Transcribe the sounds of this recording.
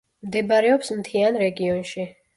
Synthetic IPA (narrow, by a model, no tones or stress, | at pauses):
md̪ɛbaɾɛɔpsmt̪ʰianɾɛɡiɔnʃi